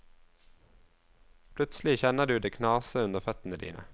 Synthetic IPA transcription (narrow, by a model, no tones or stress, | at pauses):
pʰlʉt̪slɪçɛnəd̪ʉːd̪eːkʰnɑːsəʉnd̪əʁfœt̪n̩əd̪ḭːnʔə̰